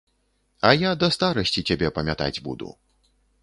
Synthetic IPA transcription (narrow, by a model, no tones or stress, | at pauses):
ɐjad̪ɐst̪aɾɐsʲt͡sʲit͡sʲabʲɛpɐmʲat̪a̰d͡zʲbṵd̪ṵ